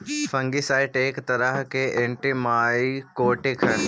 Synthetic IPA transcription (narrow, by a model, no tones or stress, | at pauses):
fɐ̃ŋɡisaːɪʈeːkt̪ɐɾəɦkeʔɪ̃ɳʈimaːikoːʈɪkʰɦ